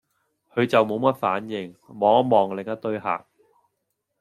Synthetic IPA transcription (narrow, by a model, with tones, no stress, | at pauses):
hʰɵ˨˧ɥt͡sɐ˨wmo˨˧wmɐ˥t̚faː˨˥njɪ˨˩ŋmɔː˨˥ŋ̚˥mɔː˨˩ŋlɪ˨ŋɐ˥t̪ɵ˥ɥɦa̰ː˨˩k̚